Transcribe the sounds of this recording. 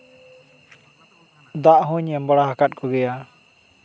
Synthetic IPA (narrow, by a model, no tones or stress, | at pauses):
d̪aʔɦũɲɛmbaɽaɦakat̪̚kʰɔɡɛja